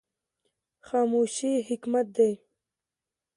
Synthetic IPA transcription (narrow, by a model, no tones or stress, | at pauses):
xaːmuːʃiɦɪkmat̪̚d̪e